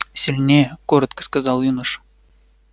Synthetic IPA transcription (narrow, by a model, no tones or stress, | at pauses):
sʲɪlʲnʲejəkoɾət̪kə̥skɐzɑlˠjunəʂə̥